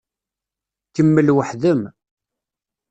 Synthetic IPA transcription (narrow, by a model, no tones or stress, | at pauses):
kəmːəlwəħðəm